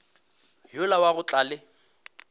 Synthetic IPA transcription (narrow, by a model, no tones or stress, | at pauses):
jʊlawaɣʊt͡ɬʼalɪ